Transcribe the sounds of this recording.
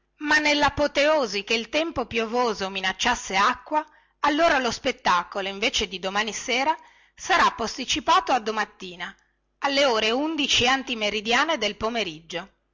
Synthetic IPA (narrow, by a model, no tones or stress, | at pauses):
manːelːapot̪eoːzikeilt̪ɛmpopjovoːzominat͡ʃːasːeakːwaː | lːoːɾalospet̪ːaːkoloiɱveːt͡ʃed̪id̪omaːniseːɾa | saɾapːost̪it͡ʃipaːt̪oad̪ːomat̪ːiːna | alːeoːɾeund̪it͡ʃiant̪imeɾid̪jaːned̪elpomeɾid͡ʒːo